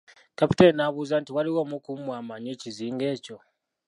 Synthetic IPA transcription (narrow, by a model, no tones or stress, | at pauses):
kapi̥teɾnaβuːzantiwaliwomukumwaːmaɲeːciziːŋɡe̞ːco̞